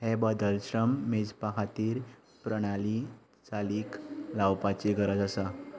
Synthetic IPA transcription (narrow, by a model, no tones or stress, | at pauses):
hebəd̪əlɕɾəmːed͡zpakʰat̪iːɾ | pɾəɽ̃ali | t͡saliːklawpat͡ɕiɡəɾəd͡zəsa